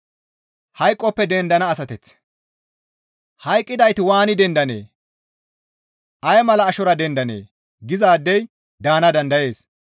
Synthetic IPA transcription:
hɐjkʼːɔpːɛd̪ɛnd̪ɐnɐːsɐt̪ɛt͡s | hɐjkʼːɪd̪ɐjt̪ɪwaːnɪd̪ɛnd̪ɐnḛː | ʔɐjmɐlɐːʃɔɾɐd̪ɛnd̪ɐnḛː | ɡɪzaːd̪ːɛj | d̪aːnɐd̪ɐnd̪ɐje̞ːs

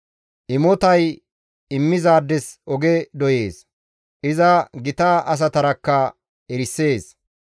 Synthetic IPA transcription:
ʔɪmɔt̪ɐj | ɪmːɪzaːd̪ːɛsʔɔɡɛd̪ɔje̞ːs | ʔɪzɐɡɪt̪aːʔɐs̬ɐt̪ɐɾɐkːɐ | ɛɾɪsːe̞ːs

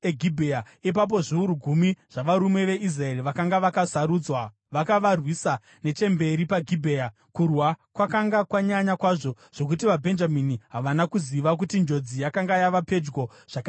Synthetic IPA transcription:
eɡʱibʱeja | ip̬ap̬o̞ʐiuɾuɡʱumiʐ̥aʋaɾume̞ʋe̞is̬rae̞riʋakaŋɡaʋakasaɾuːd͡zwa | ʋakaʋarwisa | ne̞t͡ʃe̞mbe̞ɾipaɡʱibʱe̞ːja | kurwakwakaŋɡakwaɲaɲakwaʐo̞ | ʐ̥o̞kutiʋabʱe̞nd͡ʒaminiɦaʋanakuziʋak̬utind͡ʒo̞d͡zijakaŋɡajaʋape̞d͡ʒɡo̞ | ʐ̥aka

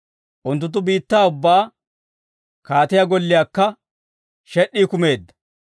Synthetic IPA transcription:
ʔʊnt̪ːʊt̪̬ːʊbiːt̪ːaːʊbːaː | kaːt̪ɪjaɡɔlːɪjaːkːɐ | ʃɛʔːiːkʊme̞ːd̪ːɐ̥

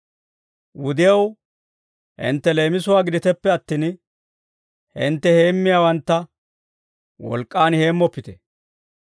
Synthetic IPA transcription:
wʊd̪ɪjɐw | hɪ̰nt̪ːɛle̞ːmɪsʊwaːɡɪd̪ɪt̪ɛpːɛɐt̪ːiːn | hɪnt̪ːɛhe̞ːmːɪjaːwɐnt̪ːɐ | wɔ̰lkʼːaːnhe̞ːmːɔpːɪt̪ɛ̥

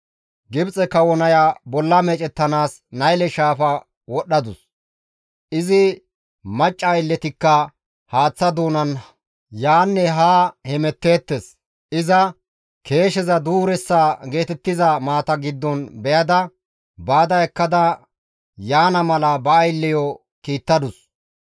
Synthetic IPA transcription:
ɡɪbt͡sʼɛkɐwɔnɐjabɔlːɐmɛt͡ʃʼɛt̪ːɐnaːs | nɐjlɛʃaːfɐ | wɔɗːɐd̪ʊs | ʔɪzɪ | mɐt͡ʃʼːɐːjlːɛt̪ɪkːɐ | haːt͡sːɐd̪oːnɐn | jaːnːɛɦaːhɛmɛt̪ːe̞ːt̪ːes | ɪzɐ | kʰe̞ːʃɛzɐd̪uːɾɛsːaːɡe̞ːt̪ɛt̪ːɪzɐmaːt̪ɐɡɪd̪ːɔnbɛjɐd̪ɐ | baːd̪ɐɛkːɐd̪ɐ | jaːnɐmɐlɐbɐːjlːɪjɔ | kiːt̪ːɐd̪ʊs

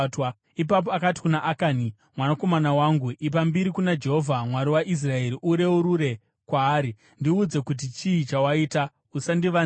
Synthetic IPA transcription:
t | ip̬ap̬oakati̥kunaʔakaːni | mwanako̞manawaŋɡuʔip̬ambiɾikunad͡ʒe̞ɦovʱamwaɾiwaʔis̬rae̞ɾiʔuɾe̞uɾuɾe̞ | kwaːɾi | ndiud͡ze̞kut̬it͡ʃiit͡ʃawaiːta | usandiʋa

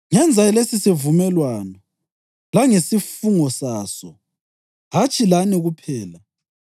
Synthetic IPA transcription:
ŋɛnd͡zʱaɛlesisivumɛlwaːnɔ | laŋesifuŋɔsaːsɔ | ɦat͡ʃʼilaniɣupʰɛːla

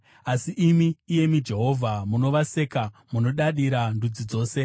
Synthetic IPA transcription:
asiʔimiːje̞mid͡ʒe̞ɦo̞vʱamuno̞ʋase̞kamuno̞ɗaɗiɾandud͡zid͡zo̞ːse̞

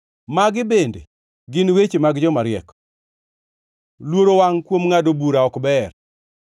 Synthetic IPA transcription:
maɡɪbendḛ | ɡɪnwet͡ʃemaɡd͡ʒɔmaɾɪɛkɔ̥ | lwoɾowaŋkwomŋadobuɾaɔkbɛr

